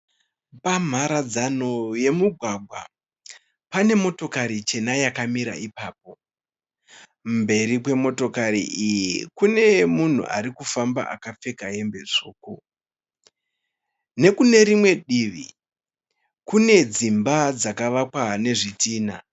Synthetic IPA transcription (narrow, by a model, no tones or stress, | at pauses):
pam̤aɾad͡zano̞je̞muɡʱwaɡʱwa̰ | pane̞mo̞to̞kaɾit͡ʃe̞najakamiɾa̰ipaːp̚o̞ | mbe̞rik̬we̞mo̞to̞kaɾḭʔijikune̞mun̤ṵʔa̰ɾikufamba̰ʔa̰kap͡fe̞kaɦe̞mbe̞ʐoːko | ne̞kune̞ɾimwe̞ɗiʋḭ | kune̞d͡zimbad͡zakaʋakwane̞ʐitiːna